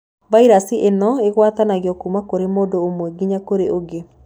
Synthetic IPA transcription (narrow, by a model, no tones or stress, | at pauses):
vaiɾasiʔenɔeɣwat̪anaɣeɔkuːmakoɾemoːdoomwɛɡiɲakoɾeoɡe